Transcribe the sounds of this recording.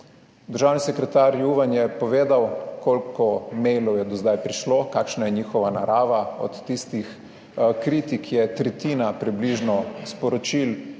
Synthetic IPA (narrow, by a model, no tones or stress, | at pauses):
d̪əɾʒaːwnisɛkɾɛt̪aːɾjuʋanjɛpɔʋeːd̪awkoːlkɔmɛjlɔwjɛd̪ɔzd̪ajpɾiʃloːkaːkʃnajɛɲiːxɔʋanaɾaːʋaɔ̰t̪ːist̪ix | kɾiːt̪ikʰjɛt̪ɾɛt̪iːnapɾibliʒnɔspɔɾɔt͡ʃil